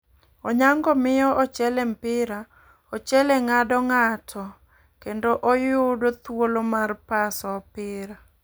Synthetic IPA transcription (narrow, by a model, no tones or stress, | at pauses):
ɔɲaŋɡɔmɪjɔʔɔt͡ʃɛlɛmpɪɾa | ɔt͡ʃɛlɛŋadɔŋatʰɔ | kendoʔojʊdot̪wolomarpasɔpɪɾa